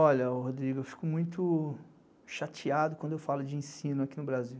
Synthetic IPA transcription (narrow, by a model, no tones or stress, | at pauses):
ɔʎɐɦod̪ɾiɡewfi̥kʊmũj̃t̪ʊ | ʃat͡ʃiad̪ʊkɐ̃d̪ʊewfalʊd͡ʒɪẽsĩnʊakinʊbɾaziw